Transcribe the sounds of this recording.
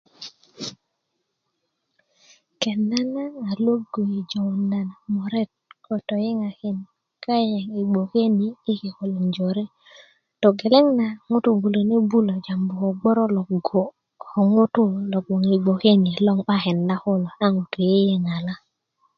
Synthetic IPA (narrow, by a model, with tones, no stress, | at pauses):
kɛ˨na˦naː˦˨lo˦ɡo˨i˨d͡ʒo˨wna˨na˨mɔ˨ɾɛ˦˨t̚kʰɔ˨tɔ˨je˦ŋa˨kɪ˨n | ka˦jɛ˨ŋi˨ɡ͡bo˨ke˦niː˨˦ke˨ko˨lo˨nd͡ʒo˨ɾe˦ | tɔ˨ɡɛ˨lɛ˦ŋna˨ŋʊ˦tu˨bu˨lo˨ne˦bu˦lo˨d͡ʒa˨mbʊ˨kɔ˨ɡ͡bɔ˦ɾɔ˦lɔ˨ | ɔ˨ŋʊ˦tʊ˦lɔ˨ɡ͡bo˨ŋi˨ɡ͡bo˨ke˦ni˨lɔ˦ŋɓa˦kɛ˨nda˦kʊ˦lɔ˨a˦ŋu˨tu˨je˦je˦ŋa˨la˦